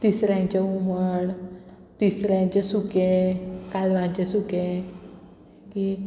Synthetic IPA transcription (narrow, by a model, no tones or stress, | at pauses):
t̪isɾjãɲt͡ɕeuməɳ | t̪isɾjãɲt͡ɕesukekalʋãɲt͡ɕesuke | ki